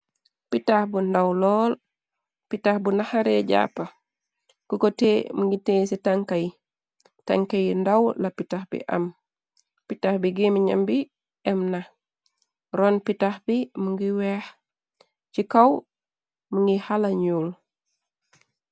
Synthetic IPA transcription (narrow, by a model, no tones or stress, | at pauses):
pitahbundawlɔːl | pitahbunahaɾɛɟa̰ːpa | kukotemuŋɡiteːsitaŋkaj | ta̰ŋkajindawlapitaxbḭʔa̰m | pitahbiɡimiɲa̰mbi | ɛmna | ɾɔnpitahbimuŋɡiwɛh | cikaw | muŋɡihalaɲul